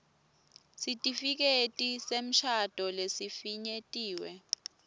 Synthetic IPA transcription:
sitʼifik̬etʼisem̩ʃʰad̥ʱɔlesifiɲetʼiːwɛ

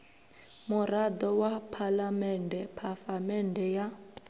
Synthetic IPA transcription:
murad̪ɔwapʰalamɛndʱɛpʰafamɛndʱɛja

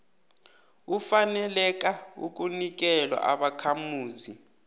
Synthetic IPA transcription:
ufanɛlɛk̬ʼaṵk̬unik̬ɛlwa̰ʔaɓakʰamuːzi

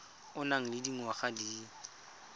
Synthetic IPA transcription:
ʊnaŋ̩lɪdiŋ̩waχadiː

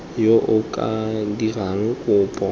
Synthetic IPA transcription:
joʔʊkʼadiraŋ̩kʼʊːpʼɔ

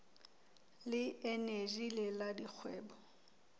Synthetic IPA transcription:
lɪɛneʒileladik͡xʰwɛːbɔ

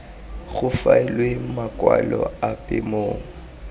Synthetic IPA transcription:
ɣʊfaɛlwemakʼwalɔapʼɪmoːŋ̩

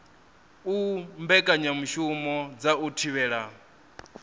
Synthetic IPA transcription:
umbɛkʼaɲamuʃumɔd͡zautʰiβɛːɺa

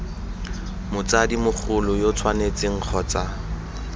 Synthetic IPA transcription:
mʊt͡sadimʊk͡xʰʊlʊjot͡sʰwanet͡sʼɪŋ̩q͡χʰɔt͡sa

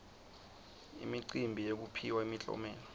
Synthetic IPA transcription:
ḭmiǀimbʱijek̬upʰiwaimit͡ɬʼɔ̰mɛːlɔ

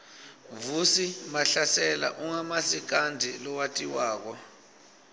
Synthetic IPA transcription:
vusimaɬasɛla̰ʔuŋamasik̬andʱilɔwatʼiwaːk̬ɔ

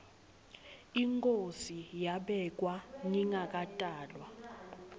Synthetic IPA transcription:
iŋkʼosijaɓɛk̬ʼwaniŋakʼatʼaːlwa

